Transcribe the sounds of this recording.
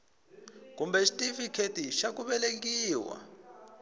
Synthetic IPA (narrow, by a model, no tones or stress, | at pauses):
kumbɛʃi̥tʼifikʰetiʃak̬ʼuɓɛlek̬iːwa̰